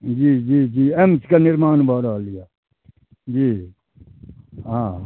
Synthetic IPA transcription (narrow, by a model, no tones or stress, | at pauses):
d͡ʒiːd͡ʒiːd͡ʒiːemskanɪɾmaːnbʱaːɾalija | d͡ʒiː | ɦãː